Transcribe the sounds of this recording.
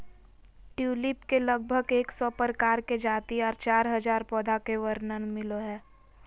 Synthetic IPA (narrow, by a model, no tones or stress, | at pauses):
ʈjuːlɪpkeləɡ̚bʱəɡeːksɔpəɾkaːɾked͡ʒaːt̪iɔːɾt͡ʃaːɾɦɐd͡ʒaːɾpɔːd̪ʱakeʋəɾnənmɪloɦɛː